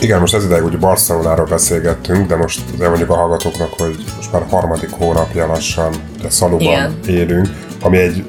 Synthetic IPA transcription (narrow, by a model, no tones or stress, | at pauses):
iɡɛnːo̞ʃt̪ɛzid̪ɛjɛɡuːɟbɒrsɛloːnaːɾoːlbɛseːlɡɛt̪ːyŋkd̪ɛmo̞ʃt̪zeːmoɲɟukɒɦɒlɡɒt̪oːknɒkho̞ɟmo̞ʃt̪maːɾhɒrmɒd̪ikhoːnɒpjɒlɒʃːɒn | d̪ɛsɒlubɒneːlyŋk | ɒmiɛɟ